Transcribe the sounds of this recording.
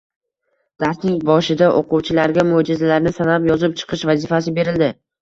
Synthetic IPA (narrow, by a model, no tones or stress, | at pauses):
d̪̥aɾsnɪŋbɒʃɪd̪aʔoquwt͡ʃʰɪlaɾɡʲamod͡ʒɪzalaɾnɪsanapjɒzɪp̚t͡ʃʰɨ̥qʰɨʃvazɪfas̬ɪbe̞ɾɪld̪ɪ